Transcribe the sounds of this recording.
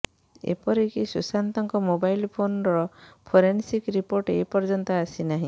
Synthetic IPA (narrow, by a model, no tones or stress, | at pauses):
ḛpɔɾikisusant̪ɔŋkɔmobajlpʰonɾɔpʰoɾensikɾipoɾʈepɔɾd͡ʒɔnt̪aasinaɦĩ